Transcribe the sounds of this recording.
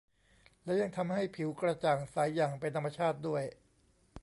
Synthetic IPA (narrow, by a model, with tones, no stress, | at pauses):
lɛ˦˥ja˧ŋt̪ʰa˧mha˥˩jpʰi˩˦wkɾa˧t͡ɕaː˨˩ŋsaː˩˦jːaː˨˩ŋpe˧nt̪ʰa˧mːa˧t͡ɕʰaː˥˩t̪̚du˥˩əj